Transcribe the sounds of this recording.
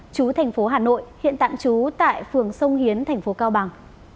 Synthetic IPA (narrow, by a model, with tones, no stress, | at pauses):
t͡ɕu˨˦t̪ʰɛ˨˩ŋ̟fo˨˦ɦaː˨˩no̰˧˨jhḭ˧˨ənt̪a̰ː˧˨mt͡ɕu˨˦t̪a̰ː˧˨jfɨ˨˩əŋsə˧wŋ͡mhi˨˦ənt̪ʰɛ˨˩ŋ̟fo˨˦kaː˧wɓa˨˩ŋ